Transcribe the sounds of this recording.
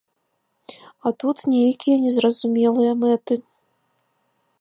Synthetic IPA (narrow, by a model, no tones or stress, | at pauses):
ɐt̪ut̪nʲejɐkʲijɐnʲɛzrɐzumʲɛlˠɨjɐmɛt̪ɨ